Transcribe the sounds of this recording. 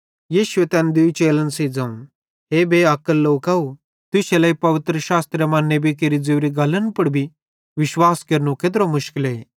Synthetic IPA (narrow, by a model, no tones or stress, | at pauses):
jiːʃʊet̪ɛːnd̪ʊit͡ʃeːlənsed͡zãːũ | ɦebeːɐkəlːoːkɐu | t̪ʊselɐːipɐʋɪt̪ɾəʃaːst̪ɾjəmãːnːebʱik̬eɾid͡zeʋɾiɡɐlənpɐɽbʱi | ʋɪʃwaːskeɾnũket̪̬ɾomʊʃkɪleː